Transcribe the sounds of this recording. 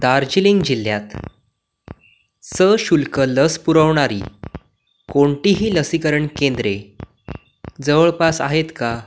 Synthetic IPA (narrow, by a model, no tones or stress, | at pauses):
d̪aɾd͡ʑiliŋɡd͡ʑil̤ːjat̪ | səɕulkələspuɾəʋɳaɾḭː | koɳʈiɦiːləsikəɾəɳkẽnd̪ɾe | d͡zəʋəɭpasa̰ɦet̪ka